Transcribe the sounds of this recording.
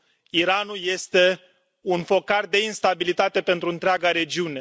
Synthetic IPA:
iɾanulje̞st̪e̞ | unfo̞kard̪e̞inst̪abilit̪at̪e̞pe̞nt̪ɾuɨnt̪ɾeaɡaɾe̞d͡ʒiune̞

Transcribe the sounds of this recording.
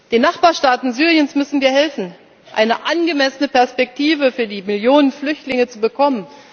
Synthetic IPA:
d̥eːnːaχb̥aːɐʃtaːtn̩zyːʁiənsmʏsn̩viːɐhɛlfn̩ | ʔa̰ɪnəʔanɡəmɛsənəpɛɐspɛk̚tʰiːvəfyːɐdiːmɪljoːnənflʏçtlɪŋət͡subəkʰɔmən

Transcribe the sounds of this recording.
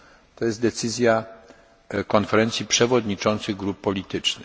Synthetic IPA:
t̪ɔjɛst̪d̪ɛt̪sɘzʲja | kɔnfɛɾɛnt̪sʲjipʂɛvɔd̪ɲit͡ʂɔnt̪sɘɣɡɾupːɔlʲit̪ɘt͡ʂnɘ

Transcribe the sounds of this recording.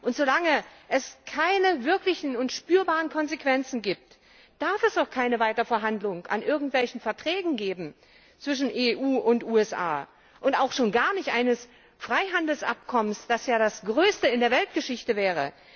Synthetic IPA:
ʔʊntz̥olaŋəʔɛskʰaɪnəvɪɐklɪçn̩ʊntʃpyːɐbaːʁənkʰɔnzekv̥ɛnt͡sn̩ɡiːp̚t | d̥aɐfɛsdaʊxkʰaɪnəvaɪtɐfɛɐɦandlʊŋa̰nʔɪɐɡŋ̩tv̥ɛlçn̩fɛɐtʁ̥ɛːɡŋ̩ɡeːbm̩ | t͡sv̥ɪʃ̬n̩ʔeːʔuːʔʊntʔuːɛsʔa̰ː | ʔʊntaʊxʃoːnɡaːɐnɪçtʔa̰ɪnəs | fʁ̥aɪɦandl̩sʔa̰p̚kʰɔmənsd̥asjaːdasɡ̥ʁøːstəɪndeːɐvɛlt̚ɡ̥əʃɪçtəvɛːʁ̞ə

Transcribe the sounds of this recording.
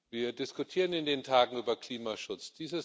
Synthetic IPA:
viːɐdɪskʊtʰiːʁənɪndeːntʰaːɡŋ̩yːbɐkl̥iːmaʃʊt͡sd̥iːzə

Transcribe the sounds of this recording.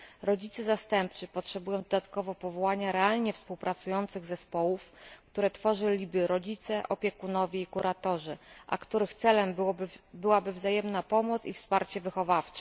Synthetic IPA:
ɾɔd͡ʑit̪sɘzast̪ɛmp̚t͡ʂɘpɔtʂɛbujɔ̃w̃d̪ɔd̪at̪kɔvɔpɔvɔwaɲaɾɛalɲɛfspuwpɾʔat̪sujɔnt̪sɘɣzɛspɔwufkt̪uɾɛt̪fɔʐɘlʲibɘɾɔd͡ʑit̪sɛʔɔpʲjɛkunɔvʲjɛikuɾʔat̪ɔʐɘʔa̰kt̪uɾɘxt̪sɛlɛmbɘwabɘvzajɛmnapɔmɔt̪sḭfspaɾt͡ɕɛvɘxɔvaft͡ʂɛ

